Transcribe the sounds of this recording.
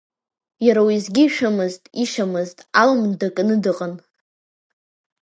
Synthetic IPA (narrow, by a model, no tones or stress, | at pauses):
jaɾawizɡʲɪʃᶣamɨztʼiʃamɨztʼalmdakʼnɨdɨqʼən